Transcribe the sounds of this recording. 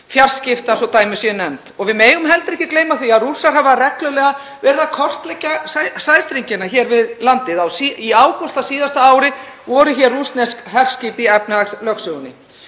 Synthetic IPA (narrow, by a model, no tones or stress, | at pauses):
fjar̥scɪft̪asɔwt̪aːjmʏsjɛnɛmt̪ɔɣvɪðmeːjʏmɦɛlt̪ɪɾɛhcɪ̥kleːjmaθiaðrusːaɾ̥havarɛklœlɛɣa | vɛːɾɪðakʰɔr̥t̪lɛcːaasajst̪ɾiɲcɪnːaçɛɾvɪðlant̪ɪðawsiiaːwkɔst̪asiːðast̪aaːwɾɪvɔɾʏçɛrːust̪nɛskhɛr̥sciːpiɛpnɪaslœksʏɣʏnːɪ̰